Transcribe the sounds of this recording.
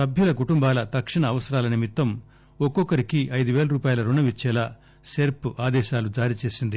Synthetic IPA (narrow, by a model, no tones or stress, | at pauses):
sɐbʱjulɐkuʈumbaːlɐt̪ɐkʂiɳɐːʋɐsɐɾaːlɐnimit̪ːɐm | ɔkːɔkɐɾikiʔɐjd̪uʋeːlɐɾuːpaːjɐlɐɾuɳɐʋit͡ʃːɛːlaː | seːɾpaːd̪ɛːʃaːlud͡ʒaːɾit͡ʃe̞ːsind̪i